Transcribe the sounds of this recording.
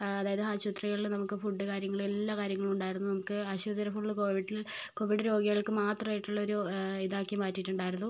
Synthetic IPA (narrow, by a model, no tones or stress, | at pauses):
ɐðaːjɐðɨɦaːɕut̪rɐɣɐɭinɐmukːɨfuɖːɨkaːɾjɐŋːɐɭelːaːkaːɾjɐŋːɐɭmuɳɖaːjiɾunːunɐmukːɨɐɕud̪ɐɾɐfuɖːɨko̞ːʋiɖil | koːʋiɖɨɾo̞ːɡiɣɐɭkɨmaːt̪rɐmaːjiʈːuɭːɐoɾuiðaːkːemaːtːiʈːuɳɖaːjiɾunːu